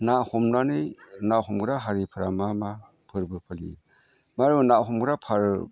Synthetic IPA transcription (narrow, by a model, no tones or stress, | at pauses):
nahɔmnanɯjnahɔmɡɾaɦaɾipʰɯɾamama | pʰɯɾbɯpʰalḭ | maɾɯnaʔɦɔmɡɾapʰaɾ